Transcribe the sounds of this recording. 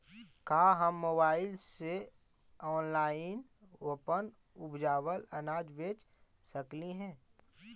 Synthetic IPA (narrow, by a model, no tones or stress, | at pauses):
kaːɦəmːoːbaːɪlse | ɔːnlaːɪn | wopən | ʊbd͡ʒaːwələnaːd͡ʒbeːt͡ʃ | səkliɦɛ̃ː